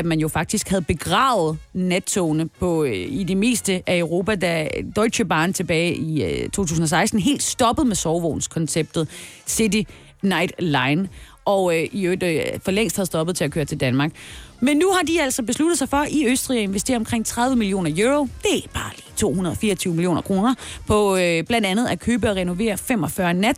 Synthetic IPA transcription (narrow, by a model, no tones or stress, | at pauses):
æd̥mænjo̝fɑ̈ɡ̥̚d̥isɡ̥hæð̞̩ˠb̥e̝ɡ̥ʁɑ̰̈ːʊð̩ˠnæt͡sʰonəpʰɒ̽ide̝me̝̰ːsd̥əʔæəʊʁo̝ːpæd̥æd̥ɒ̽ɪɕəb̥ɑ̈ːnt͡sʰe̝b̥ɛːɪʔit͡sʰo̝̰ːt͡sʰṵːsn̩ɒ̽sɑ̈ɪsd̥n̩ɦe̝̰ːld̥sd̥ɒ̽b̥əð̞̩ˠmesɒʊʋoʊnskʰɒ̽nseb̥̚d̥ð̩ˠsidi | nɑ̈ɪd̥lɑ̈ɪn | ʔɒiød̥fɒ̽leŋ̰sd̥hæð̞̩ˠsd̥ɒ̽b̥ð̩ˠt͡sʰe̝lækʰøːɐt͡sʰe̝ld̥ænmɑ̈ːɡ̥menːuhɑ̈d̥iæl̰sɒ̽b̥e̝slud̥ðˠsɑ̈ɪfɒ̽ʔiøsd̥ʁḭæe̝nʋesd̥e̝̰ɐɒ̽mkʰʁeŋ̰t͡sʰʁäð̞ˠʋəmilio̝̰ːnɐjoʁod̥e̝b̥ɑ̈ːliːt͡sʰo̝̰ːɦunɐð̞ˠɒ̽fiːɐɒt͡sʰyʊəmilio̝̰ːnɐkʰʁo̝ːnɐpʰɒ̽b̥lænd̥ænð̩ˠækʰøːb̥əɒ̽ʁɛno̝ʋe̝̰ːɐfem̰ɒ̽fɶɐnæd̥